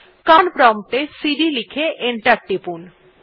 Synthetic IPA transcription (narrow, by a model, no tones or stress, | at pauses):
kanpɾɔmʈ̪esiɖilikʰeʔeɳʈaɾʈːipun